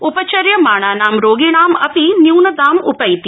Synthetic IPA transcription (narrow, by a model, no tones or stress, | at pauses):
upɐt͡ʃɐɾjɐmaːɳ̃aːnaːmɾoːɡiɽ̃aːmɐpinjuːnɐd̪aːmʊpɐjt̪i